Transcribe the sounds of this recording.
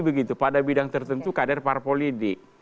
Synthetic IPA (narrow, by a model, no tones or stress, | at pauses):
bəɡit̪upadabidaŋt̪ərt̪ənt̪ukadarparpolidɪk